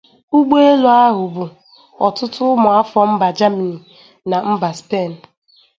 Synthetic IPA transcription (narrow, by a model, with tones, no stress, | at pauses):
ʊ˦ɡ͡be˦e˦lʊ˦a˦ɦʊ˨bu˨ | ɔ̰˨tʊ˦tʊ˦mʊ˨a˦fɔ˨m̩˦ba˨d͡ʒa˦mi˨ni˨ | na˨m̩˦ba˨spe˦˨n̩˨